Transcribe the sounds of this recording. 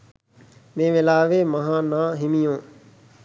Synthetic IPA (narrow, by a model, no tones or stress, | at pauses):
mẽːʋɪlaːʋeːməɦãːnãːɦɪmijõː